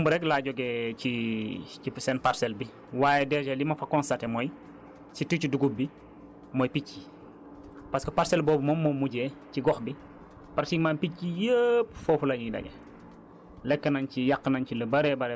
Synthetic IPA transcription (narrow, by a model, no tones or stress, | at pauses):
mbuɾɛklaːɟɔɡɛːcicisɛːnparsɛlbi | waːjɛdɛːd͡ʒɛlimɐfɐkɔnstɐtɛmɔj | situciduɡubi | mɔjpicːi | pɐskɐpaɾsɛlbɔːbumɔmːɔmuɟɛːciɡɔxbi | pɐɾtimaːnpicːijəp̚fɔfulɐɲidɐ̰ɡɛ̰ | lɛkːənɐncijakːənɐncilɐbɐɾɛbɐɾɛ